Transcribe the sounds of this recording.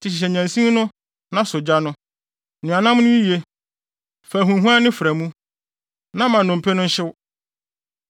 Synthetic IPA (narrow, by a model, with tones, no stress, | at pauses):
tʰɪ˨ɕɪ˨ɕ̬ɛ˨ɲæ̃˨nsĩ˦m˦nʊ̃˦ | nã˦sʊ˨d͡ʑa˦nʊ̃˦ | nʊ̃˨a˨nã˦m˦nʊ̃˦i˦ji˨e˦ | fæ˨ɦũ˨ɦũ˦a˦nɪ̃˦fɾæ˨mũ˦ | nã˦mã˨nʊ̃˨m̩˨pʰɛ˦nʊ̃˦ɲ̩˦ɕɪ˦w